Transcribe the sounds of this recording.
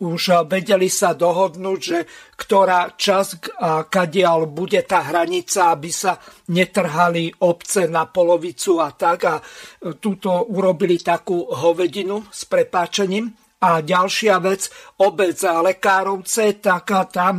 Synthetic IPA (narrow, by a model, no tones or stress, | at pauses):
uʃʋɛɟɛlisad̪ɔɦɔd̪nuːɟʒɛkt̪ɔɾaːt͡ʃazakaɟɪalbuɟɛt̪aːɦɾaɲit͡saabisaɲɛt̪r̩ɦaliɔpt͡sɛnapɔlɔʋit͡suat̪aɡat̪ut̪ɔuɾɔbilit̪akuːɦɔʋɛɟinuspɾɛpaːt͡ʃɛɲiːm | aɟalʃɪaʋɛd͡zɔbɛd͡zlɛkaːɾɔʊt͡sɛt̪akat̪am